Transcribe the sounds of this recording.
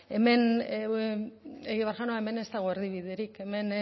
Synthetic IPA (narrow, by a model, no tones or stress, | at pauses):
e̞me̞n | eɣiβaɾʝanoaeme̞ne̞st̪aɣ̞oeɾðiβiðeɾike̞me̞n